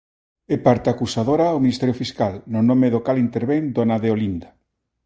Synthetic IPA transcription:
epaɾt̪akusaðoɾaowminist̪ɛɾjofiskalnonõmeðokalint̪eɾβeŋd̪oanaðeolind̪a

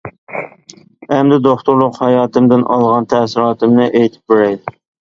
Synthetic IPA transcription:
ɛmd̪ɪd̪oχt̪uɾlˠʊqhɑjɑːt̪ʰɨmd̪ɪnʔɑ̰lˠʁɑnt̪ʰɛsɪɾɑːt̪ɨmnɪʔejt̪ʰɪ̥p̚beɾɛjd̪ɪ

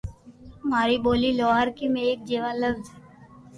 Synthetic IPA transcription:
maːɾiboːlilɔːɦaɾkimẽeːk̚d͡ʒeːʋalɐbzɛ

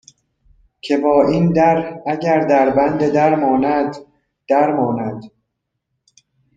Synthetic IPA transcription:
cʰe̞bɒːʔiːnd̪æɾhæɟæɾd̪æɾbænd̪ed̪æɾmɒːnæd̪ | d̪̥æɾmɒːnæd̪̥

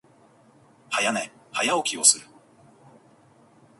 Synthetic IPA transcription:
hajanehajaokʲio̞sɨɾɯ̟

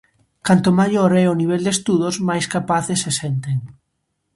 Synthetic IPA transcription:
kant̪omaʎoɾɛoniβ̞eld̪est̪uðozmajskapaθðesesent̪eŋ

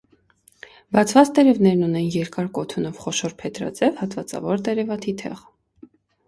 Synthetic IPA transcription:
bɑt͡sʰvɑt͡st̪ɛɾɛvnɛɾnunɛnjɛɾkɑɾkɔt̪ʰunɔvχɔʃɔɾpʰɛt̪ɾɑ̰t͡sɛvhɑt̪vɑt͡sɑ̰vɔɾt̪ɛɾɛvɑt̪ʰit̪ʰɛ̰ʁ

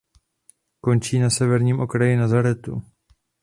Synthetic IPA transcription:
ko̞nt͡ʃiːnasɛvɛɾɲiːmʔo̞kɾajɪnazaɾɛt̪ṵ

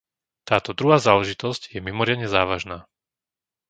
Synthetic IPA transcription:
t̪aːt̪ɔd̪ɾuɦaːzaːlɛʒit̪ɔzcjɛmimɔɾɪad̪ɲɛzaːʋaʒnaː

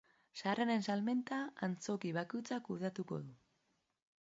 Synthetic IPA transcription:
sarane̞nsalme̞nt̪aːnt͡so̞kiβakujt͡sakuð̞at̪uko̞̰ðu

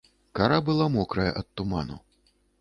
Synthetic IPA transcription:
kaɾabɨlˠamɔkɾɐjɐ̰ʔɐt̪t̪ːuma̰nṵ

